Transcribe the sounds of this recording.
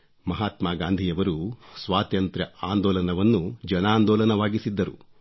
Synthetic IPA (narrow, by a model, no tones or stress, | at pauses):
mɐɦaːt̪maːɡaːnd̪ʱijɐʋɐɾusʋaːt̪jɐnt̪ɾɐʔaːnd̪ɔːlɐnɐʋɐnːud͡ʒɐnaːnd̪ɔːlɐnɐʋaːɡisid̪ːɐɾṵ